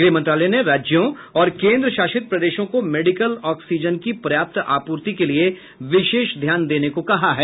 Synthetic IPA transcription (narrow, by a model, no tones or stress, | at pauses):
ɡɾiːmɐ̃nt̪ɾaːlɛneɾaːd͡ʒjõ | ɔːɾkẽːnd̪ɾəʃaːʃɪt̪̚pɾɐd̪eːʃõkomeːɖɪkəlɔːksiːd͡ʒənkipɾɐjaːp̚t̪aːpuːɾt̪ikelie | ʋɪʃeːʃd̪ʱjaːnd̪eːnekokɐɦaɦɛː